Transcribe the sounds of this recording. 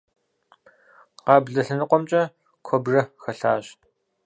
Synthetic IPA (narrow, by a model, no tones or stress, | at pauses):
qɑːbɮɐɬɐnɨqʷɔmt͡ʃʼɐ | kʷʰɔbrɐxɐɬaːɕ